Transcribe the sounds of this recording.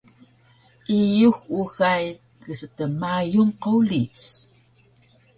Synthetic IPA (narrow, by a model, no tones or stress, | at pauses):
ʔijuxuɣaj | ɣəsətəmajunqolit͡s